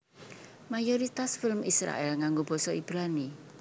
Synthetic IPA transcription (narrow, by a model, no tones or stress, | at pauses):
majoɾit̪asfɪlmisɾa̰ʔɛlŋaŋɡob̥ɔ̤sɔib̥ɾani